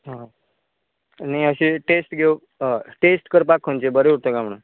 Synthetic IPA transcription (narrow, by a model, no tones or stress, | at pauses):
ɦã | najəɕeʈesʈɡʱeo | ʈesʈkəɾpakɦont͡ɕebəɾeuɽt̪əkam̤ɳə